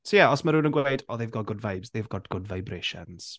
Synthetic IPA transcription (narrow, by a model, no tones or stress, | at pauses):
sojɛɔsmaɾuːnənɡwejdɔðevɡɔɡʊdvajbzðevɡɔdɡʊdvajbrɪʃɛ̰nz̥